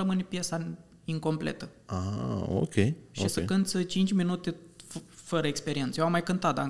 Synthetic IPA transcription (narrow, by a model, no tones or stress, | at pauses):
əmɨnʲpjesa | iŋko̞mplḛt̪əaa̰o̰kʲʰejʃisəkɨnt̪st͡ʃint͡ʃʲminut̪e̞ | fəɾəekspe̞ɾie̞nsəjewamːajkɨnt̪at̪̚d̪a